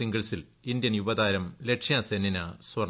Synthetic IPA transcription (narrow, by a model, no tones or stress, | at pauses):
iŋɡɐɭsilind̪jɐnjubɐd̪aːɾɐmle̞kʂjasenːinɐswɐr